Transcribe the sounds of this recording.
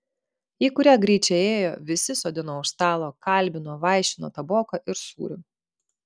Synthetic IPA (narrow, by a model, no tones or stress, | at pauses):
iːkʊɾʲæːɡɾʲiːt͡ʃʲɛeːjoːʋʲɪsʲɪsoːd̪ʲɪnoːʊʃst̪ɑːlˠoːkɐˑlʲˑbʲɪnoːʋɑˑɪʃʲɪno̰ːt̪ɐboːkɐʔɪɾsṵːɾʲʊ